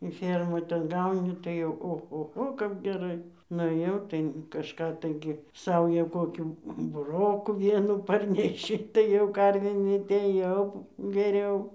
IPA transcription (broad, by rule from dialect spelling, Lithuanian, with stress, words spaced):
ɪ ˈfʲeːrmoːj tʲɛn ˈɡɐʊnʲɪ tɐɪ oːxoːˈxoː kɐp ɡʲɛˈrɐɪ nʊˈeːjɛʊ tɐɪ kɐʃˈkɑː ˈtɐɪɡʲɪ ˈsɐʊjæː ˈkoːkʲuː bʊˈroːkuː ˈʋʲiɛnuː ˈpɐrʲnʲɛʃʲɪ tɐɪ jɛʊ ˈkɐrʲʋʲeːm ˈɪnʲmʲɛtʲɛɪ jɛʊ ɡʲɛˈrʲɛʊ